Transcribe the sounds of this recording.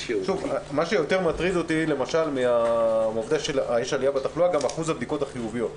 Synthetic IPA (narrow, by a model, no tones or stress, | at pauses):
ʃuvamaʃejo̞t̪e̞ʁmat̪ʁido̞t̪ile̞maʃalmiaovd̪aʃelajeʃaliabet̪aχluaɡamaχuzabd̪iko̞t̪aχijuvijo̞t̪